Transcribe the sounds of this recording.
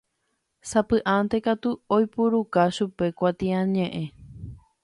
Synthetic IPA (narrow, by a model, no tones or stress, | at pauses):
sapɨʔant̪e̞kat̪uojpuɾukaʃupe̞kʷat̪ĩãɲẽʔẽ